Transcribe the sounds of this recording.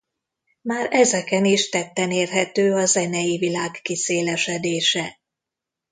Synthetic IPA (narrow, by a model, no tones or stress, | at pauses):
maːrɛzɛkɛniʃt̪ɛt̪ːɛneːrɦɛt̪øːɒzɛnɛjivilaːkːiseːlɛʃɛd̪eːʃɛ